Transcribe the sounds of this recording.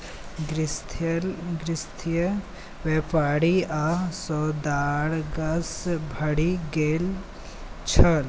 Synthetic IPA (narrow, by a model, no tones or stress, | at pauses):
ɡɾɪst̪ʰlɡɾɪst̪ʰjə | ʋeːpaːɽiasɔːd̪aːɽɡɐsbʱɐɽiɡeːl | t͡ʃʰɐl